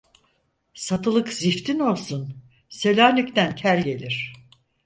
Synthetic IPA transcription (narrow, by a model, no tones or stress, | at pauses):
sat̪ɯlˠɯkzift̪ʰino̞lˠsun | se̞lʲaːnycʲt̪æncʲʰæɾʲɟe̞lʲiɾ̝̥